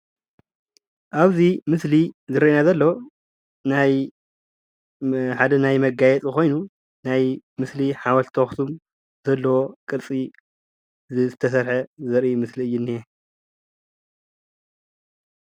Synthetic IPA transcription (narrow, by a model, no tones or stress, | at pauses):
ʔaβzimɨslizɨɾɐinazɐlːɐwo | naj | ħad̪ɐnajmɐɡajɛt͡sʼɨko̞jnu | najmɨsliħawɐlt̪ʰoxsum | zɐlːɐwo̞kʼɨɾt͡sʼi | zzɨt̪ʰɐsɐɾħɐzɐɾʔimɨsliɨjːɪnːie